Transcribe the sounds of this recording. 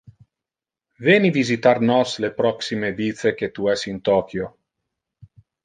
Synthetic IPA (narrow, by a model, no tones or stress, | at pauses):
veːnivizit̪arnɔslepɾɔksimevit̪seket̪uɛsint̪ɔːkjo